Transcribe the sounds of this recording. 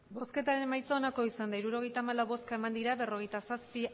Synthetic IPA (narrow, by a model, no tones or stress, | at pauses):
bo̞ske̞t̪aɾe̞nmajt͡soːnako̞isand̪aiɾuɾo̞ɣ̞e̞jt̪aːmalawβo̞skae̞mand̪iɾaβe̞ro̞ɣejt̪asaspi